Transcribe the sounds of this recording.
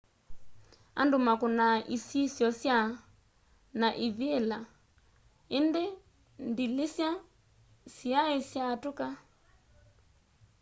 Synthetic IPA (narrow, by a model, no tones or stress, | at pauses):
a̰ndumakunaʔisisjɔsja | naʔiβiɛla | ende | ndilesja | siaesjatuka